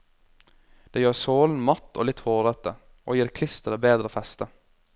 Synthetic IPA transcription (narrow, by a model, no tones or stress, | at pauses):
d̪̥eːjøːɾsoːln̩mɑt̪ːo̰ːlɪt̪hoːɾət̪ə | ʔoːjiːɾkʰlɪst̪əd̪əbeːd̪ɾəfɛst̪ə